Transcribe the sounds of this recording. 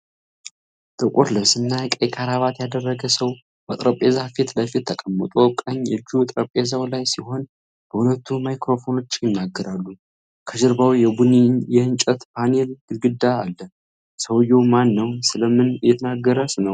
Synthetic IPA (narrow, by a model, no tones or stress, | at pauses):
t̪ʼɨkʷʼot̪lɨβsɨnːakʼekʰʼaɾaβat̪jad̪ərːəɡəsəw | bət̪ʼɾəpʼezafit̪ləfit̪ʰːəkʼəmːət̪ʼukʼaɲɨd͡ʒut̪ʼɾəpʼe̞zawlajsiho̞n | b̥əhulət̪ʰːumajkɾo̞fo̞no̞t͡ʃːjɪnːaɡːəɾalːu | kʰəʒɨɾbawijɛbunijɛɨnt͡ʃʼət̪pʰane̞lɨɡɨd̪ːaːlːə | səwjɛwmanːəwsɨləmɨnjɛt̪ʰənaɡːəɾəsɨnəw